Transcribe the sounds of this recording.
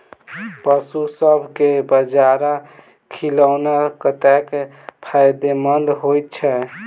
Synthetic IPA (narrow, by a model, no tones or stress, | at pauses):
pəsusəbʱkebəd͡ʒaɾa | kʰiləwnakət̪ɛk | pʰajd̪emənd̪ɦojt̪̚t͡ʃʰɛ